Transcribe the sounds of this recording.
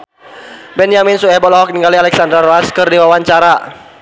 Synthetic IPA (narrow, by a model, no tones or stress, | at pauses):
bɛnjaminsuɛbɔlɔɦɔk̚niŋɡalialɛksand̪ɾaɾoaskɨrdiwawaɲt͡ʃaɾa